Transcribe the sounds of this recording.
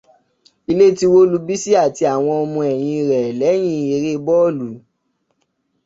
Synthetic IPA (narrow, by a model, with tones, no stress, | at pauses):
i˧le˦ti˦wo˦lu˧bi˦si˦a˦˨ti˧a˨w̃ɔ̃˧ɔ˧mũ˧ɛ˨j̃ĩ˧i˧ɾɛ˨lɛ˨˦j̃ĩ˦˧e˧ɾe˦bɔ˦˨lu˨˦